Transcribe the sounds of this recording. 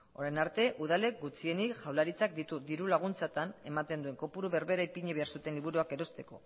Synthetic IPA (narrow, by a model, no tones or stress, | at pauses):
o̞ɾajnaɾt̪e̞ʔuð̞ale̞k̚ɡut͡sie̞nikʝawlaɾit͡sak̚d̪it̪ud̪iɾulaɣ̞unt͡sat̪ane̞mat̪e̞nd̪ue̞ŋko̞puɾuβe̞ɾβe̞ɾaipiɲeβe̞aɾsut̪e̞nliβuɾuake̞ɾo̞st̪e̞ko̞̰